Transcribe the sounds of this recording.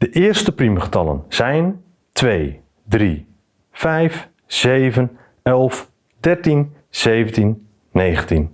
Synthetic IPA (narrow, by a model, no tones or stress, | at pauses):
d̥əʔɪːərstəpriməχə̥tɑlə̰nz̥ɛjn | tʰʋej | dri | fɛjf | z̥ejvən | ɛlˠf | dɛrtin | z̥ejvəntinː | ejχəntin